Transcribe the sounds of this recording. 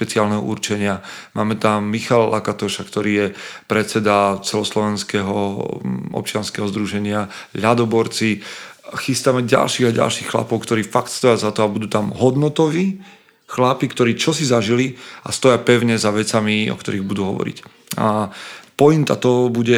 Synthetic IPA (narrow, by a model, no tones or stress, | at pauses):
pɛt͡sialnɛɦɔ̰ṵɾt͡ʃɛɲɪamaːmɛt̪amːixalla̰kat̪ɔʃakt̪ɔɾiːjɛpɾɛtt͡sɛd̪at͡sɛlɔslɔʋɛnskɛɦɔ | ʔɔ̰p̚t͡ʃɪanskɛɦɔzd̪ɾuʒɛɲɪaʎad̪ɔbɔɾt͡si | xist̪amɛɟa̰lʃiːɣaɟa̰lʃixxla̰pɔʊkt̪ɔɾiːfakt̪st̪ɔjazat̪ɔabud̪uːt̪amɦɔd̪nɔt̪ɔʋiː | xlapikt̪ɔɾiːt͡ʃɔsizaʒilia̰st̪ɔjapɛʊɲɛzaʋɛt͡samiɔ̰kt̪ɔɾiɣbud̪uɦɔ̰ʋɔ̰ɾḭc | a̰pɔjint̪at̪ɔɦɔbuɟɛ